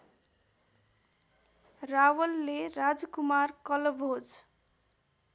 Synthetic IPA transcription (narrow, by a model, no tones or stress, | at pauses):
rawʌlːeɾad͡zkumarkʌlʌbʱod͡z